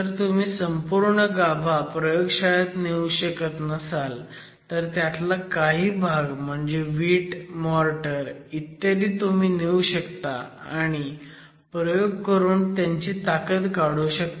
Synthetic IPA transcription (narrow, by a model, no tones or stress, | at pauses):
t̪əɾt̪um̤iːsəmpuɾɳəɡab̤ʱapɾəjoɡɕajat̪neuɕəkət̪nəsal | t̪əɾt̪jat̪lakaɦiːbʱaɡm̤əɳd͡zeʋiːʈmɔɾʈəɾit̪ːad̪iːt̪um̤iːneuɕəkt̪a̰aɽ̃i | pɾəjoɡ̚kəɾuːnt̪jaɲt͡ɕit̪akət̪kaɽuɕək̚t̪a